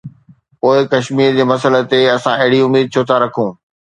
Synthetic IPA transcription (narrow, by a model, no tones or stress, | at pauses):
poːɪkɐʃmiːɾd͡ʑeːmɐsələ̆t̪eɐsãɐɦɪɽiʊmiːd̪̚t͡ɕʰoːt̪ʰaɾɐkʰũː